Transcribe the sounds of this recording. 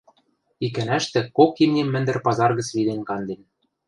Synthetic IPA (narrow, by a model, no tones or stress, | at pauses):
ik̬ænæʃt̪ɘ̆kokimnʲemːɘ̆nd̪ɘ̆rpɑzɑrɣɤ̆t͡sβid̪enʲkɑnd̪en